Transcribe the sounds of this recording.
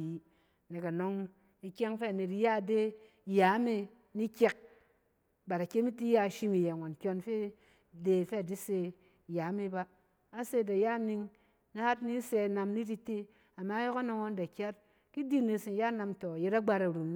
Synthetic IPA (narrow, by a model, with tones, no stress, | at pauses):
ne˨ka˨no˦ŋ | i˦kʲe˦ŋfe˦a˨ne˨ɾi˦ja˦˨de˦ | ja˨˦me˦ | ni˦kʲe˦k̚ | ba˨ɾa˨kʲe˦mi˦ti˦ja˦˨ʃi˦mi˨je˨ŋʷa˨n˨kʲo˦nfe˦ | de˨fe˦a˨di˦se˦˨ | ja˨˦me˦baː˦ | se˦˨da˨ja˦˨ni˧ŋ | na˦ha˦tni˦se˧˨na˧mni˦ɾi˦te˦ | a˨ma˨˦jo˦ka˦no˦ŋo˦n˦da˨kʲa˦t̚ | ki˦di˦ne˨si˨n˨ja˦na˧mto˨je˦ɾa˦ɡ͡ba˧ɾa˨ɾu˨m˦